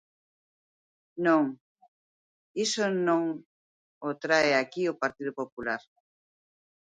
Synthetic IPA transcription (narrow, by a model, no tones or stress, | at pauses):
nõŋ | isonõŋ | ot̪ɾaeakiopaɾt̪iðopopulaɾ